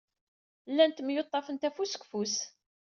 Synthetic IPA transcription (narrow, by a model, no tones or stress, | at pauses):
lːænt̪mjot̪ˤːɑfənt̪æfusə̥kfus